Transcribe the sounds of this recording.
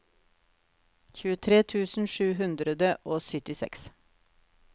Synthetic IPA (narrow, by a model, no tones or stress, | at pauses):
çʉːət̪ʰɾeːt̪ʰʉːsn̩ʃʉːɦʉnd̪ɾəd̪əʔoːsʏt̪ɪsɛ̰ks